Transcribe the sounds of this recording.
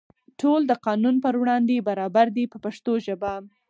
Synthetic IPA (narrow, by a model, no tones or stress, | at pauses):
ʈʰold̪əqɑnunpəɾwɽɑnd̪ebaɾɑbaɾd̪ipəpaʂt̪oʒəbam